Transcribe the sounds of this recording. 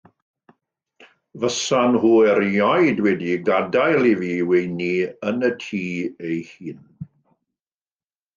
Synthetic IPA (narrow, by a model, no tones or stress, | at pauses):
vəsanhuːɛɾjɔjdwɛdiɡadajlˠiviːwejniənətʰiːejhiːn